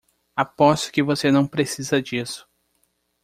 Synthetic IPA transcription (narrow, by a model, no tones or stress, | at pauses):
apɔsʊ̥kɪvosenɐ̃w̃pɾesizɐd͡ʒisʊ̥